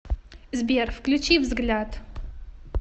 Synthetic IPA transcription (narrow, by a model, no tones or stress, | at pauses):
zberfklʲut͡ʃʰivzɡlʲad